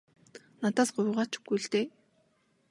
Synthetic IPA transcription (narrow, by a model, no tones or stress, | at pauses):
nat̪aːsɢʊjʁaːt͡ɕu̥ɡujɮt̪eː